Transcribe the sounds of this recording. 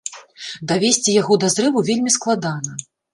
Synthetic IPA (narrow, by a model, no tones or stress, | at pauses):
d̪avʲesʲt͡sʲijaɣɔd̪ɐzɾɨvuvʲelʲmʲisklˠad̪anɐ